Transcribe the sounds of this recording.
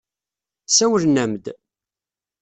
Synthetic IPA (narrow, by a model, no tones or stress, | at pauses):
sæwəlnæmd̪